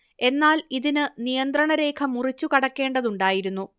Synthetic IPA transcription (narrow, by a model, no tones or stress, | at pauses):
e̞nːaːliðinɨnijɐnd̪rɐɳɐɾe̞ːkʰɐmurit͡ɕːukɐɽɐkːe̞ːɳɖɐðuɳɖaːjiɾunːu